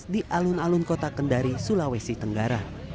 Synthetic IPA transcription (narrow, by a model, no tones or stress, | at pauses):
diʔalʊnalʊnkot̪akəndaɾisulawesit̪əŋɡaɾa